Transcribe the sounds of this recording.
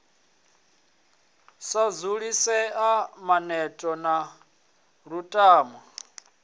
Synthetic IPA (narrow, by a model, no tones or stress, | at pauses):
sad͡zuɺisɛamanɛtʼɔna | ɾutʼaːma